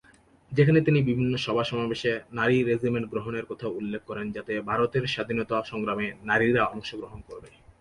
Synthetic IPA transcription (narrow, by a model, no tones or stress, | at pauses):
d͡ʑekʰanet̪inibibʱinːoʃɔbʱaʃɔmabeʃenaɾiɾed͡ʑimeɳʈɡɾoɦoneɾkɔt̪ʰaulːekʰːɔɾend͡ʑat̪ebʱaɾot̪eɾʃad̪ʱinot̪aʃɔŋɡɾamenaɾiɾaɔmoʃoɡɾoɦonkoɾbe